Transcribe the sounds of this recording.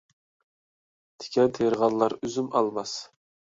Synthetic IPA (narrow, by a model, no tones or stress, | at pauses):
t̪ʰɪ̥kʲʰɛnt̪ʰeɾʁɑllːˠɑɾyzymɑlˠmɑs